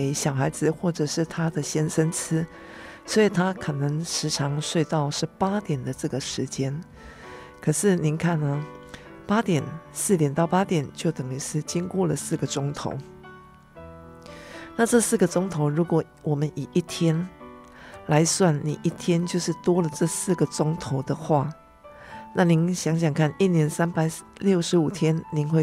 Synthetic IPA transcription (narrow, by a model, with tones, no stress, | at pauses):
e˧˥ɪɕjɑ˨˩ʊxa˧˥ɪd͡zɹ̩˧˨xwɔ˥˩ʈ͡ʂɤ˨˩ʂɻ̩˥˩t̪ʰa˥d̪ə˨ɕjɛ˥nʂə˥nt͡s̩ʰ˥ | swɔ˧˥i˨˩t̪ʰa˥kʰɤ˨˩nɤ˧˥ŋʂɻ̩˧˥ʈ͡ʂʰɑ˧˥ŋʂwe˥˧ɪt̪ɑ˥˧ʊʂɻ̩˥˩pa˥t̪jɛ˨˩nd̪ə˩˦ʈ͡ʂɤ˥˩ɡə˩ʂɻ̩˧˥t͡ɕjɛ˥n | kʰɤ˨˩ʂɻ̩˥˩ni˧˥nkʰa˥˩nːə˨ | pa˥t̪jɛ˨˩nsɹ̩˥˩t̪jɛ˨˩nt̪ɑ˥˩ʊpa˥t̪jɛ˨˩nt͡ɕjo˥˩ʊt̪ɤ˨˩ŋi˧˥sʰɻ̩˥˩t͡ɕi˥ŋkwɔ˥˩lə˩sɹ̩˥˩ɡə˩ʈ͡ʂʊ˥ŋt̪ʰo̰˧˥ʊ | na˥˧ʈ͡ʂɤ˥˧sɹ̩˥˩ɡə˩ʈ͡ʂʊ˥ŋt̪ʰo˧˥ʊɻu˧˥kwɔ˨˩ | wɔ˨˩mə˦ni˨˩ʔi˥˩t̪ʰjɛ˥n | la˧˦ɪswa˥˩nnḭ˨˩ʔi˥˩t̪ʰjɛ˥nt͡ɕjo˥˧ʊʂɻ̩˥˩t̪wɔ˥lə˨ʈ͡ʂɤ˥˧sɹ̩˥˩ɡə˩ʈ͡ʂʊ˥ŋt̪ʰo˧˥ʊd̪ə˨xwa˥˩ | na˥˨ni˧˦˥nɕjɑ˧˥ŋɕ̬jɑ˨˩ŋkʰa˥˩ni˥˩njɛ˧˥nsa˥npa˨˩ɪljo˥˩ʊʂɻ̩˧˥u˨˩t̪ʰjɛ˥nni˧˥nxwe˥˧